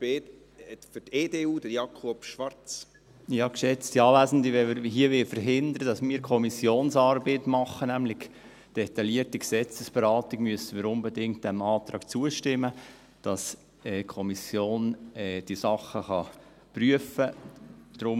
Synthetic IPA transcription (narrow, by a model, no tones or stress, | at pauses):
e | fyteːdeːuːdəjɑkʰopʃʋɑɾt͡s | ɪɑkʃɛt͡stiɑːʋæːzəndiʋɛɪɦiəʋɪlfəɾɦɪnd̪əɾədɑsmiːɾkʰɔmisjoːnsɑːɾbeːtmɑχːənæmlɪɡ | d̥ɛt̪ɑliətiɡ̥sɛt͡səsb̥ɛɾɑːtiɡmyəstəmiːɾʊnbɛdɪŋkt̚d̥ɛmɑːtɾɑːkt͡suəʃtɪmːə | d̥ɑs | ɛːkʰɔmisjoːnɛːd̥isɑχːəχɑ | pryəfəd̥ɾʊm